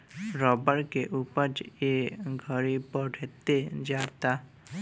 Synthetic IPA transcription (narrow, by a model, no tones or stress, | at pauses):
ɾɔbəɾkeʔupəɾt͡ʃeɡʱəɾipəɾɾʱet̪ed͡ʒat̪a